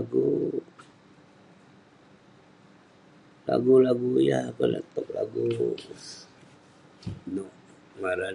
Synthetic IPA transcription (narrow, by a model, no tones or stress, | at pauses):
ɡu | la̰ɡulaɡujapəla̰t̪ək̚laɡu | noʔ | maɾa